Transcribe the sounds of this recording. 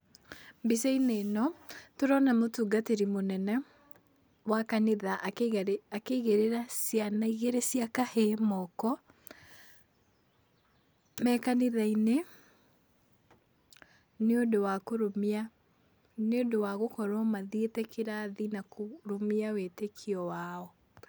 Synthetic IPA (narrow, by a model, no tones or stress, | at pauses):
mbiseinenɔtoɾɔnamotuːɡateɾimonɛnɛ | wakaneðaʔakeɣeɾeɾasjanaiɣeɾesiakahemɔkɔ | mɛkaneðaine | neondowakoɾomia | neondowaɣokɔɾɔmaðietɛkʰeɾaðinakʰoɾomiawetekʰiɔwaːɔ